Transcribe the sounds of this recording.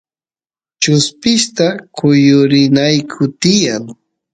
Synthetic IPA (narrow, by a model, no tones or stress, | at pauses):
t͡ʃʊspɪʃt̪akʰʊjʊɾɪnajkʰʊt̪ɪjaŋ